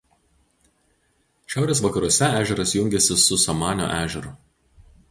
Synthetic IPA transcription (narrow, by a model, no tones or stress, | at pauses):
ʃʲæˑʊɾʲeːsʋɐkɐɾuɔsʲɛæːʒʲɛɾɐsjʊŋʲɡʲɛsʲɪsʊsɐmɑːnʲo̰ːʔæːʒʲɛɾʊ